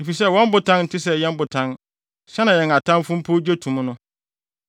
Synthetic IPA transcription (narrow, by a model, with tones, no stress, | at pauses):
e˨fi˨s̬ɛ˦˨wɔ̃˦m̩˦bʊ˨tʰã˦nn̩˨tʰɪ˦s̬ɛ˦jɛ̃˦m̩˦bʊ˨tʰã˦n | ɕɛ˦nã˨jɛ̃˨ŋa˨tʰã˦m˦fʊ̃˦m̩˦pʰʊ˦d͡ʑᶣe˦tʰũ˨m̃˦nʊ̃˦